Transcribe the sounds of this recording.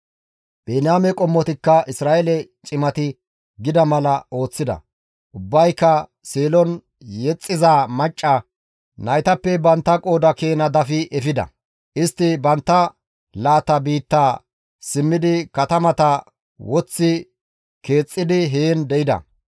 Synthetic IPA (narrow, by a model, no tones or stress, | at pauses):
b̥eːnaːmɛkʼɔmːɔt̪ɪkːɐʔɪsɾaːʔɛlɛt͡ʃʼɪmɐt̪ɪ | ɡɪd̪ɐmɐlɐo̞ːt͡sːɪd̪ɐ̰ | ʔʊbːɐjkːɐ | seːlɔn | jɛt͡sʼːɪzaːmɐt͡ʃʼːɐ | nɐjt̪ɐpːɛbɐnt̪ːɐkʼo̞ːd̪ɐke̞ːnɐd̪ɐfɪʔɛfɪd̪ɐ̰ | ʔɪst̪ːɪbɐnt̪ːɐ | laːt̪ɐbiːt̪ːaː | sɪmːɪd̪ɪkɐt̪ɐmɐt̪ɐ | wɔt͡sːɪ | ke̞ːt͡sʼːɪd̪ɪɦeːnd̪ɛʔɪd̪ɐ̰